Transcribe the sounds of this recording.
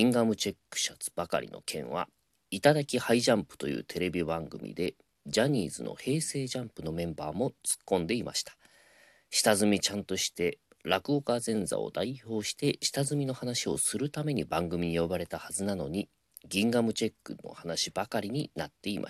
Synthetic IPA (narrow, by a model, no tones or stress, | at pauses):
ɡĩŋɡamɯ̟t͡ɕe̞kːɯ̥ɕat͡sɨ̥b̥aka̰ɾʲḭno̞̰kʰẽ̞ɰ̃βa̰ | it̪ad̪akʲihaiʑãmpɯ̟̥t̪o̞jɯ̟̰ːt̪ʰe̞ɾe̞bʲibãŋɡɯ̟mʲḭd̪e̞ | d͡ʑaɲ̟iːzɨno̞̰he̞ːse̞ːʑãmpɯ̟no̞mẽ̞mbaːmo̞t͡sɨ̥kːõ̞nd̪e̞ima̰ɕi̥t̪ḁ | ɕi̥t̪azɨmʲit͡ɕãnt̪o̞ɕi̥t̪e̞ɾakɯ̟okazẽ̞nza̰o̞̰d̪aiço̞ːɕi̥t̪e̞ɕi̥t̪azɨmʲino̞hanaɕio̞̰sɨɾɯ̟t̪ame̞ɲ̟ibãŋɡɯ̟mʲiɲ̟ijo̞baɾe̞t̪ahazɨnano̞ɲ̟i | ɡʲĩŋɡamɯ̟t͡ɕe̞kːɯ̟no̞̰hanaɕibakaɾʲiɲ̟inat̪ːe̞imʔa̰